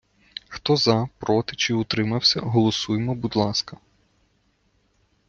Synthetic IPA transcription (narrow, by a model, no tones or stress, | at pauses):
xt̪ɔzɐpɾɔt̪ɪt͡ʃɪʊt̪ɾɪmɐwsʲɐ̰ɦɔlˠɔsujemɔbud̪lˠɑskɐ